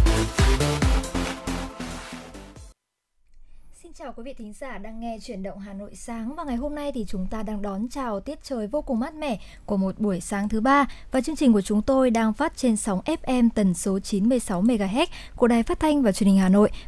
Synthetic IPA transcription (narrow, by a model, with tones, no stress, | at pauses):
si˧nt͡ɕaː˨˩wkwi˨˦vḭ˧˨t̪ʰï˨˦ŋ̟zaː˧˩ɗaː˧ŋːɛ˧t͡ɕwi˧˩ənɗə̰˧˨wŋ͡mɦaː˨˩no̰˧˨jsaː˨˦ŋvaː˨˩ŋa˨˩jɦo˧mna˧jt̪ʰi˨˩t͡ɕʊ˨˦ŋ͡mt̪aː˧ɗaː˧ŋɗɔ˨˦nt͡ɕaː˨˩wt̪i˦˥ət̚t͡ɕəː˨˩jvo˧kʊ˨˩ŋ͡mmaː˦˥t̚mɛ̰˧˩ | ku˧˩əmo˨˩t̚ɓu˧˩əjsaː˨˦ŋt̪ʰɨ˨˦ɓaː˧vaː˨˩t͡ɕɨ˧əŋt͡ɕi˨˩ŋ̟ku˧˩t͡ɕʊ˨˦ŋ͡mt̪o˧jɗaː˧ŋfaː˦˥t̚t͡ɕe˧nsa˨˦wŋ͡mʔɛ˦˥p̚ʔɛ˧mt̪ə˨˦nso˨˦t͡ɕi˨˦nmɨ˧əjsa˨˦wme˧ɣaː˧˩ɦɛ˦˥t̚ | ku˧˩əɗaː˨˩jfaː˦˥t̚t̪ʰa˧jŋ̟vaː˨˩t͡ɕi˨˧ənhï˨˩ŋ̟haː˨˩no̰˧˨j